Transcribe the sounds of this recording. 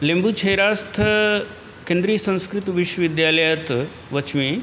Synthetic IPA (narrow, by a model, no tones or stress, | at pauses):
lembuːt͡ʃʰɐjɾast̪ʰə | kẽnd̪ɾiːsə̃skɾit̪ʋiʃwɐʋid̪jaləjat̪ | ʋət͡ʃmiː